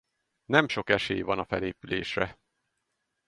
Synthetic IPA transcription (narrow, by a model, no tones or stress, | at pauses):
nɛmʃo̞kɛʃeːjvɒnɒfɛleːpyleːʃrɛ